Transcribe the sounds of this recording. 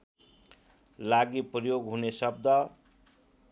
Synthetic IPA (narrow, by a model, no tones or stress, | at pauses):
laɡiprʌjoɡɦunesʌb̚d̪ʌ